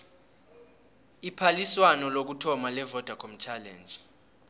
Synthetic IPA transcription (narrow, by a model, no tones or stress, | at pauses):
ipʰaliswanɔlok̬utʰɔmalɛvɔd̥ʱakʰɔm̩t͡ʃʰalɛ̰ːnd͡ʒʱ